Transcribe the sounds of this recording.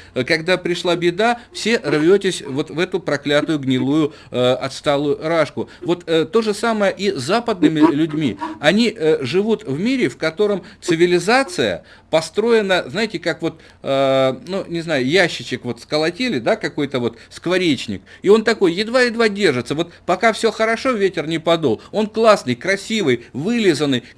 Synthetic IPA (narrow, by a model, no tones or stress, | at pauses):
kɐɡd̪apɾʲɪʂlˠabʲɪd̪afsʲe̞ʔrvʲotʲɪsʲvo̞t̪vɛt̪ʊpɾɐklʲat̪ʊjʊɡnʲɪlˠujʊ | ʔɐt̪st̪alˠʊjʊɾaʂkʊvo̞t̪t̪ːo̞ʐɨsaməjəʔizapəd̪nɨmʲɪlʲʉdʲmʲiɐnʲiʔʐɨvut̪vmʲiɾʲɪfkɐt̪o̞ɾəmt̪sɨvʲɪlʲɪzat̪sɨjə̰ | pɐst̪ɾo̞ɪnəznajɪtʲɪkakvo̞t̪ː | nunʲɪznajʊjæɕːɪt͡ɕɪkvo̞t̪skəlˠɐtʲelʲɪd̪akɐko̞jt̪əvo̞t̪skvɐɾʲet͡ɕnʲɪ̰k̚ɪo̞nt̪ɐko̞jjɪd̪vajɪd̪vadʲe̞rʐɨt̪səvo̞t̪pɐkafsʲoxəɾɐʂo̞vʲetʲɪrnʲɪpɐd̪olˠo̞nklˠasnɨjkɾɐsʲivɨjvɨlʲɪzənːɨj